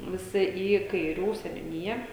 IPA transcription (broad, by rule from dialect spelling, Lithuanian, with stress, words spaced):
ʋʲɪˈsʲɪ iː kɐɪˈrʲuː sʲɛnʲʊˈnʲɪjɛ